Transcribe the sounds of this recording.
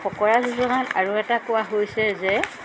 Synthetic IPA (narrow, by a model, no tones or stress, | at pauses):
xɔkɔɹazuzɔɡanaɹuɛtakʊwaɦojsɛzɛ